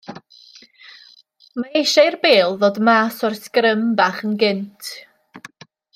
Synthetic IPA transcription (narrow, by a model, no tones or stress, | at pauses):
maejʃajrbeːlˠðoːdmaːsɔrskrəmbaːχənɡɪntʰ